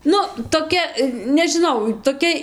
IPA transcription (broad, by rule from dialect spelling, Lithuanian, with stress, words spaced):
ˈnʊ toːˈkʲɛ nʲɛʒʲɪˈnɐʊ toːˈkʲɛ